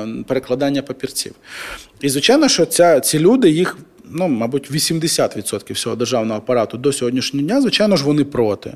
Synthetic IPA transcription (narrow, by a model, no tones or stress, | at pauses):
peɾeklˠɐd̪ɑnʲːɐpɐpʲirt͡sʲḭwizʋɪt͡ʃajnɔʃt͡ʃɔt͡sʲat͡sʲilʲud̪ɪjix | numɑbutʲʋʲisʲimd̪esʲat̪ʋʲid̪sɔt̪kʲiwsʲɔɦɔd̪erʒɑwnɔɦɔːpɐɾɑt̪ʊd̪ɔsʲɔɦɔdʲnʲiʃnʲɔɦɔdʲnʲazʋɪt͡ʃajnɔʒʋɔnɪpɾɔt̪ɪ̰